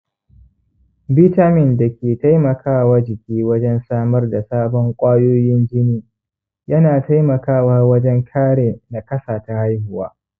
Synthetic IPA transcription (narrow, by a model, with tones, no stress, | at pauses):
biː˦taː˦mɪ˨nda˨kʲeː˨ta˦jmɐ˨kʰaː˦˨waː˦d͡ʒɪ˨kʲiː˦wɐ˦d͡ʒɛ˦nsaː˦mɐ˦rda˨saː˦bɔ˦ŋkʷʼaː˦joː˦jɪ˦nd͡ʒɪ˦niː˦ | jɐ˦naː˨ta˦jmɐ˨kaː˦˨waː˦wɐ˦d͡ʒɛ˦ŋkʰaː˦ɽeː˨na˨kʼɐ˦saː˨ta˨ha˦jhʊ˨wa̰ː˦